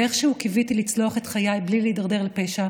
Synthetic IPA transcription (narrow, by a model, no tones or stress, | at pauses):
eχʃeukivitilit͡sloaχetχajajblileidaʁd̪e̞ʁlepeʃa